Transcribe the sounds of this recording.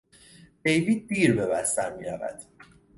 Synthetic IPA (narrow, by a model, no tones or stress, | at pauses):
d̪̥e̞jviːd̪̚d̪iːɾbe̞bæst̪æɾmiːɾævæ̰d̪̥